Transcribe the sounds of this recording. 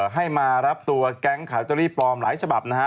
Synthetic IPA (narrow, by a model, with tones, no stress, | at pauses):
ɦa˥˩jmaː˧ɾa˦˥p̚t̪u˧ɐkɛ˦˥ŋkʰaː˩˦wt͡ɕɔ˧liː˥˩plɔː˧mlaː˩˦jt͡ɕʰa˧ba˨˩p̚na˦˥k